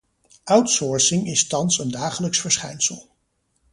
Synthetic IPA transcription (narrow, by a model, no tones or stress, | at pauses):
ʔʌwtsɔːɹsɪŋɪstɑnsəndaːχələksfəɹsχɛ̰jnsə̰lˠ